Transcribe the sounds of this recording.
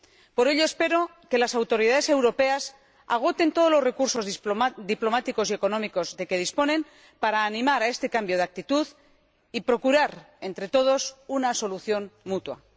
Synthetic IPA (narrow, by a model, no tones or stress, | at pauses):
po̞ɾe̞ʎo̞espe̞ɾo̞ | ke̞lasawt̪o̞ɾiðaðe̞se̞wɾo̞pe̞as | a̰ɣ̞o̞t̪e̞nt̪o̞ð̞o̞lo̞zre̞kuɾso̞zd̪iplo̞mat̪iko̞sie̞ko̞nõ̞miko̞zðe̞ke̞ð̞ispo̞nẽ̞m | paɾaːnĩmaɾae̞st̪e̞kambjo̞ð̞ak̚t̪it̪uð | ipɾo̞kuɾaɾ | e̞nt̪ɾe̞t̪o̞ð̞o̞sunaso̞luθjo̞nmut̪wa̰